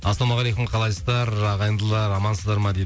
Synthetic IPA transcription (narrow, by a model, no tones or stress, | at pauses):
ɑsˠɑmɑʁælejkʲɪmqʰɑlˠɑjsəzd̪ɑɾɑʁɑjənd̪əlˠɑɾɑmɑnsəzd̪ɑɾmɑd̪ed̪